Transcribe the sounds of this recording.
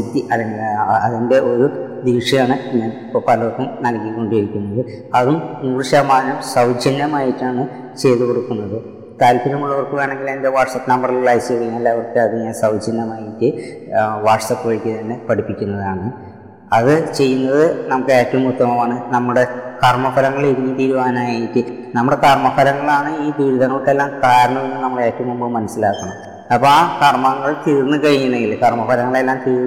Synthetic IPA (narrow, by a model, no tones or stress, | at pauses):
it̪ːiʔɐlːeŋɡilɐðinde̞ʔo̞ɾud̪iːʂijaːɳɨɲːaːnpːopɐlɐrkːumnɐlkːikːo̞ɳɖijɐɾikʲːunːɐðɨ | ɐðumnuːrɨɕaːmaːɐnɐmsɐwd͡ʑinːɐmaːjitːaːɳɨ | t͡ɕe̞ːt̪ukoɽukːunːɐðɨ | t̪aːlpʰiɾɐmuɭːɐʋɐrkɨʋeːɳe̞ŋɡilɐnde̞ʋaːʈsɐt̪nɐmbɐrɐllajseːkɐjɐmɐlːaːɐʋɐrkːɨɐðɨɲaːnsɐwd͡ʑinːɐmaːjitːɨ | ʋaːʈsɐpːoɻikʲːɨt̪ɐnːe̞pɐɽipːikʲːunːɐðaːɳɨ | ɐðɨt͡ɕe̞jːunːɐðɨnɐmukːɨeːkʲːɐumːut̪ːɐmɐʋaːɳɨnɐmːuɽe̞kɐrmɐfɐlɐŋːɐɭiɾiɲːut̪iːɾuʋaːnaːjejitːɨ | nɐmːuɽe̞kɐrmɐfɐlɐŋːɐɭaːɳɨiːb̪iːɾuðɐŋːɐɭukːelːaːmkaːɾɐɳːɐðenːɨnɐmːɐɭeːkʲːɐumumbɐmːɐnɐsːilaːkːɐɳum | ɐpːoaːkɐrmɐŋːɐɭt̪iːrnːɨkɐɻiŋːunːeŋɡilkɐrmɐfɐlɐŋːɐɭe̞lːaːmt̪iː